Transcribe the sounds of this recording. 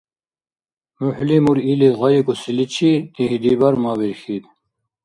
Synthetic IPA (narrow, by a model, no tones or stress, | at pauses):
muħlimuɾiliʁɑjikusilit͡ɕʰit̪ihid̪ibɐɾmaːwiɾxid̪